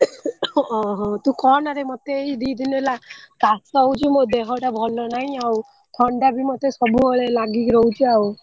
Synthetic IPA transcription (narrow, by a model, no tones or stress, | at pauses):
ɔɦɔ̃t̪ũkɔnaɾemot̪eːid̪id̪inelakasɔwt͡ʃʰimod̪eɦɔʈabʱɔlːɔnaɦĩaw | t̪ʰɔɳɖabʱimɔt̪esɔbuɦɔɭelaɡikɾɔwt͡ʃʰiaw